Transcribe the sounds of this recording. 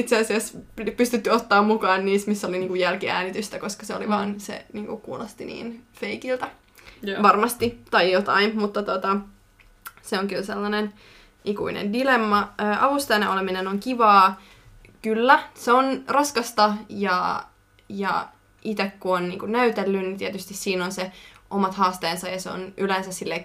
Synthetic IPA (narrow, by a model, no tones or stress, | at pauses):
it̪seɑsiɑsppyst̪yt̪ːyot̪ːɑːmmukɑːnːniːsmisːoliniːŋkujælkiæ̰ːnit̪yst̪ækoskɑseoliʋɑːnsḛniːŋkukkuːlɑst̪inḭːnfeikilt̪ɑ | ʋɑrmɑst̪it̪ɑjjot̪ɑinmut̪ːɑt̪ot̪ɑ | seoŋkylselːɑnen | ʔikṵinḛndilemːɑøːʔɑʋust̪ɑjneʔoleminenoŋkiʋɑː | kylːæseonrɑskɑst̪ɑjɑ | jɑ̰ | it̪ekːuonnḭːŋkunnæyt̪elːynnit̪iet̪yst̪issiːnonseʔomɑt̪hɑːst̪eːnsɑjɑseo̰nʔylensæssilːe